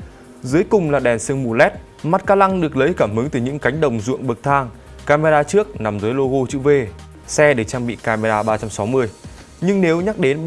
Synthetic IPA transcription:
zɨ˨˦əjkʊ˨˩ŋ͡mlaː˨˩ɗɛ˨˩nsɨ˧˩əŋmu˨˩lɛ˦˥t̚ | ma˦˥t̚kaː˧la˧ŋɗɨ˨˩ək̚lə˨˦jkaː˧˩mhɨ˨˦ŋt̪ɨ˨˩ɲɨ̰˧˥ŋka˨˦jŋ̟ɗə˨˩wŋ͡mzṵ˧˨əŋɓɨ˨˩k̚t̪ʰaː˧ŋ | kaː˧me˧zaː˧t͡ɕɨ˦˥ək̚na˨˩mzəː˨˦jlo˧ɣo˧t͡ɕɨ̰˧˥ve˧ | sɛ˧ɗɨ˨˩ək̚t͡ɕaː˧ŋɓḭ˧˨kaː˧me˧zaː˧ɓaː˧t͡ɕa˧msa˨˦wmɨ˧əj | ɲɨ˧ŋne˨˦wɲa˦˥k̚ɗe˨˦n

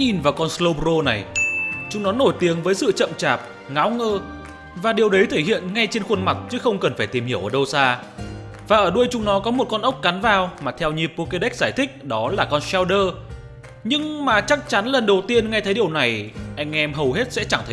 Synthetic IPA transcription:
ɲi˨˩nvaː˨˩wkɔ˧nslo˧pɾo˧na˨˩jt͡ɕʊ˨˦ŋ͡mnɔ˨˦no˧˩jt̪i˨˦əŋvəː˨˦jsɨ̰˧˨t͡ɕə̰˧˨mt͡ɕaː˨˩p̚ | ŋa˨˦wŋəː˧ | vaː˨˩ɗi˨˩əwɗə˨˦jt̪ʰe˧˩hḭ˧˨ənŋa˧jt͡ɕe˧nxwə˧nma˨˩t̚t͡ɕɨ˨˦xə˧wŋ͡mkə˨˩nfaː˧˩jt̪i˨˩mhi˧˩əwʔəː˧˩ɗə˧wsaː˧ | vaː˨˩ʔəː˧˩ɗu˧əjt͡ɕʊ˨˧˦ŋ͡mnɔ˨˦kɔ˨˦mo˨˩t̚kɔ˧nʔə˦˥wk͡p̚ka˨˦nvaː˨˩wmaː˨˩t̪ʰɛ˧wɲi˨˩p̚po˧ke˧ɗa˦˥k̟̚zaː˧˩jt̪ʰï˦˥k̟̚ɗɔ˨˦laː˨˩kɔ˧nsɛ˧wɗəː˧ | ɲɨ˧ŋmaː˨˩t͡ɕa˦˥k̚t͡ɕa˨˦nlə˨˩nɗə˨˩wt̪i˧ənŋa˧jt̪ʰə˨˦jɗi˨˩əwna˨˩jʔa˧jŋ̟ʔɛ˧mɦə˨˩wɦe˦˥t̚sɛ̰˧˥t͡ɕa˧˩ŋt̪ʰ

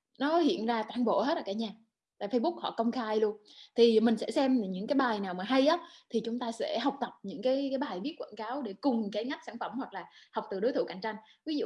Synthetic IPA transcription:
nɔ˨˦hḭ˧˨ənzaː˧t̪waː˧˩nɓo̰˧˨he˦˥t̚laː˨˩kːaː˧˩ɲaː˧˩ | t̪a̰ː˧˨jfə˧jɓʊ˦˥k̚hɔ̰˧˨kə˧wŋ͡mxaː˧jlu˧ənt̪ʰi˨˩mï̟˨˩sɛ̰˧˥sɛ˧m˨ɲɨ̰˧˥ŋkaː˨˦jɓaː˨˩jnaː˨˩wmaː˨˩ɦa˧jʔaː˨˦t̪ʰi˨˩t͡ɕʊ˨˦ŋ͡mt̪aː˧sɛ̰˧˥ɦa˨˩wk͡p̚t̪ə˨˩p̚ɲɨ̰˧˥ŋkaː˨˦jkaː˨˦jɓaː˨˩jɓi˦˥ət̚kwa̰˧˩nkaː˨˦wɗe˧˩kʊ˨˩ŋ͡mka˨˦jŋa˦˥jk̚saː˧˩nfə˧˩mhwa˨˩k̚laː˨˩hwk͡p̚t̪ɨ˨˩ɗo˨˦t̪ʰɨ̰˧˩ka̰˧˩jŋ̟t͡ɕa˧jŋ̟vi˨˦z̰

